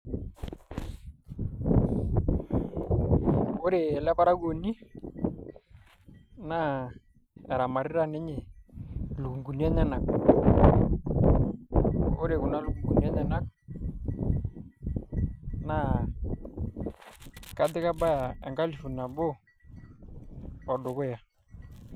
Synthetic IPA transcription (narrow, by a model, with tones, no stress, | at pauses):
o˦ɾe˨ɛ˨lɛ˦ba˦ɾa˦ɡo˨ni˦ | na˦˨ | ɛ˨ɾa˨ma˨ɾi˦ɾa˦nɛ˦ɲe˨ | lu˨ku˨ŋɡu˨ni˦ɛ˦ɲa˦na˨k̚ | o˦ɾe˨kʊ˨na˦lu˨ku˨ŋɡu˨ni˦ɛ˦ɲa˦na˦k̚ | na˦ | ka˦dɪ˦ka˦ba˦a˨ɛ̰˨ŋka˦li˨fu˨na˨bo˦ | ɔ˨dʊ˨kʊ˦ja˨